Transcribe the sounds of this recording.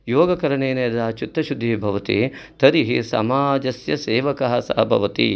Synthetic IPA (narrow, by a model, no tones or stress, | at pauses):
joːɡɐkɐɾɐɳeːneːɐd̪aːt͡ʃit̪ːɐʃud̪ʱːiibʱɐʋɐt̪ḭt̪ɐɾiɦḭsɐ̰maːd͡ʒɐsjɐseːʋɐkɐɦɐsa̰ːɐbʱɐ̰ʋɐt̪ḭ